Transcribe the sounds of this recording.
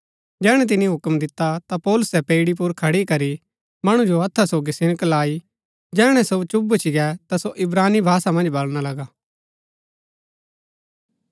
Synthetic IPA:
d͡ʒɛːɽ̃ɛ̃t̪̬ɪniɦʊkmd̪ɪt̪ːat̪apɔːlʊsɛpeːɪɽip̬ʊɾkʰɐɽikɐɾi | mɐɽ̃ũd͡ʒoɐt̪ʰːasoːɡisɪñəklaːi | d͡ʒɛːɽ̃ɛ̃sot͡ʃʊbut͡ʃiɡɛt̪asoʔɪbɾaːnːibʱaːsamɐ̃nd͡ʒbɐlñalɐɡaː

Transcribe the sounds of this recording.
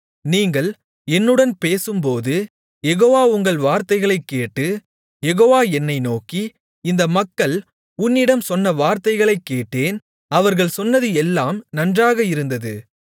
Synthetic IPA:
niːŋɡɐɭ | ɛnːɯɽɐnpeːsɯmpoːðɯ | jɛɣoːʋaːʊŋɡɐɭʋaːɾt̪ɐɪɣɐɭɐɪkːeːʈːɯ | jɛɣoːʋaːɛnːɐɪnoːki | ɪnd̪ɐmɐkːɐɭ | ʊnːɪɽɐmsɔnːɐʋaːɾt̪ɐɪɣɐɭɐɪkːeːʈːeːn | ɐʋɐɾɣɐɭsɔnːɐðɯɛlːaːmnɐndraːɣɐɪɾɯnd̪ɐðɯ̰

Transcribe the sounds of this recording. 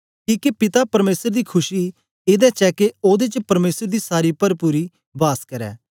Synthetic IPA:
kĩːkepɪt̪apɐɾmeːsəɾd̪iːkʰʊʃiː | ɪd̪ɛːt͡ʃɛːkeoːd̪eːt͡ʃpɐɾmeːsəɾd̪iːsaːɾiːpəɾpuːɾiː | baːskəɾɛ̰ː

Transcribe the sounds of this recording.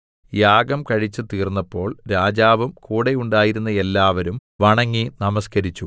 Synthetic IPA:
jaːɡɐmkɐɻit͡ɕːɨt̪iːrnːɐpːo̞ːɭɾaːd͡ʑaːʋumkuːɽejuɳɖaːjiɾunːɐe̞lːaːʋɐɾumʋɐɳɐŋːinɐmɐskɐɾit͡ɕːu

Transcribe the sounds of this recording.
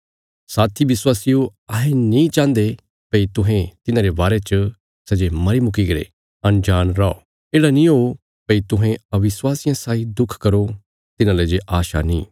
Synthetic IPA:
saːt̪ʰiʋɪswaːsioɐɦẽnĩt͡ʃãːnd̪e | pɐit̪ʊɦẽt̪ɪnãɾebaːɾet͡ʃə | sɛːd͡ʒemɐɾimʊk̬iɡɐɾḛ | ɐnd͡ʒaːnɾao̰ː | eːɽanĩɦoː | pɐit̪ʊɦẽɐʋɪswaːsɪjãsaːid̪ʊkʰkɐɾo | t̪ɪnãːled͡ʒeʔaːʃa̰nḭ̃ː

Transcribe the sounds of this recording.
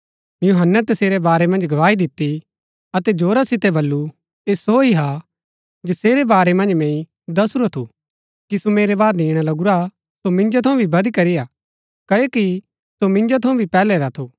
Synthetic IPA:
juɦənːet̪ɐseːɾebaːɾemɐ̃nd͡ʒɡʱɐʋaːid̪ɪt̪ːi | ɐt̪ɛd͡ʒoːɾasɪt̪ɛbɐlːu | eːsoːiɦa | d͡ʒɪseːɾebaːɾemɐ̃nd͡ʒmɛ̃ːĩ | d̪ɐsɾot̪ʰu | kisomeːɾebaːd̪ĩːɽ̃alɐɡʊɾa | somɪ̃nd͡ʒot̪ʰɐ̃ũbʱibɐd̪ikɐɾija | kɐeki | somɪ̃nd͡ʒot̪ʰɐ̃ũbʱipɛːlɛɾat̪ʰoː

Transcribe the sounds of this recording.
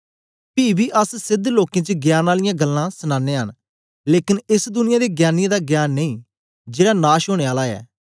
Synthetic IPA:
piːbʱiːʔəssɪd̪ʱloːkẽːt͡ʃəɡjaːnaːlɪjãːɡəlːãːsənãːnːeːɦən | leːkɪnɪsd̪ʊnɪ̃jaːd̪eːɡjaːnɪjed̪aɡjaːnːeĩː | d͡ʒeːɽaːnaːʃɦoːɽ̃eːaːlaɛ̰ː

